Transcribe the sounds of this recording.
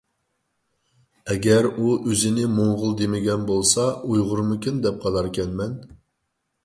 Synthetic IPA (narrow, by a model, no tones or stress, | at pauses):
ɛɡʲɛɾuʔøzɪnɪmoŋʁʊlˠd̪emɪɡʲɛnbolˠsɑujʁʊɾmukʲynd̪ɛp̚qʰɑlˠɑɾkʲʰɛnmɛn